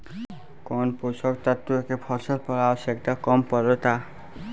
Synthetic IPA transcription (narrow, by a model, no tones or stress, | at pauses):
kɔnpusɔk̚t̪at̪ːuekebʰʱɔɾsɔɾpɔɾaosekt̪akɔmpɔɾɔt̪a